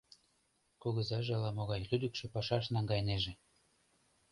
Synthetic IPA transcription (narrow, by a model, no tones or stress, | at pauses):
kuɣəzɑʒĕlɑmoɣɑjlyd̪əkʃĕpɑʃɑʃ̬nɑŋɡɑjneʒĕ